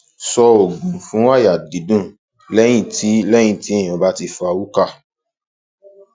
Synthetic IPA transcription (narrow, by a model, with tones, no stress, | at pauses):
sɔ˧o˨ɡũ˨fũ˨˦wa˦˨ja˨di˨˦dũ˦˨ | lɛ˦j̃ĩ˦˨ti˨˦lɛ˦j̃ĩ˦˨ti˨˦ẽ˦˨ɔ̃˧˨ba˦ti˧fa˧wu˦ka˦˨